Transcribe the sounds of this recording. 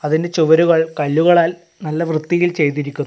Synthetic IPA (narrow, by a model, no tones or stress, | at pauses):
ɐðinde̞t͡ɕuʋɐɾuɣɐɭkɐɭːuɣɐɭaːl | nɐlːɐʋrɨt̪ːijilt͡ɕe̞jt̪iɾikʲːun